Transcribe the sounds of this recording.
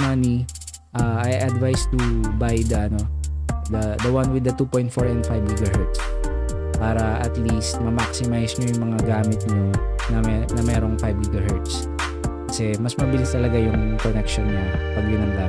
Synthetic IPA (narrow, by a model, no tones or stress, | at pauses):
mani | ʔaːʔɐjʔɐd̪vajst̪ʊbajd̪ɐʔɐno̞d̪ɐd̪ɐwanwɪd̪ɐt̪upojnt̪̚foɹɛnd̪fajbɡiɡɐɦɛɹt̪s | paːɾɐʔɐt̪list̪̚mɐmaksɪmajsɲojʊŋmɐŋaɡaːmɪt̪̚ɲonɐɛnɐmɛːɾo̞ŋfajbɡiɡɐɦɛɹt̪s | kɐsɛmɐsmɐbɪlɪst̪ɐlɐɡajʊŋkonɛk̚ʃonːɐpɐɡʊnɐŋla